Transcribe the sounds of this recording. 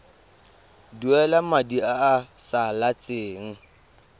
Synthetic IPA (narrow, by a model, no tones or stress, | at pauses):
duɛlamadiaasalat͡sʼɪːŋ̩